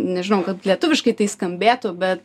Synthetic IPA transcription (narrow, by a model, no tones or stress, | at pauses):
nʲɛʒʲɪnɐʊkɐt̪lʲiɛt̪ʊʋʲɪʃkɐɪt̪ɐɪskɐmʲbʲeːt̪ʊbʲɛt̪